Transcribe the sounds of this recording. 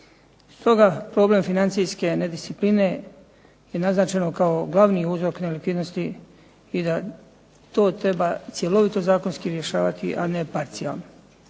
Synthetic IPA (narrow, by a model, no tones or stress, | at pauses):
st̪o̞ɡapɾo̞ble̞mfinant̪sijske̞ned̪ist̪sipline̞ | je̞naznaːt͡ʃe̞nokao̞ɡlˠaʋniuːzɾo̞knelikʋid̪no̞st̪i | id̪a | t̪o̞ːt̪ɾe̞bat̪sje̞lo̞ʋit̪o̞zaːko̞nskiɾje̞ʃaːʋat̪ḭʔane̞paɾt̪sia̰lˠno